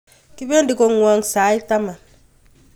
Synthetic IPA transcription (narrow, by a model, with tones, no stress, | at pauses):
ki˦be˦ndi˨ko˦ŋwa˦ŋsa˨˦jta˦ma˨n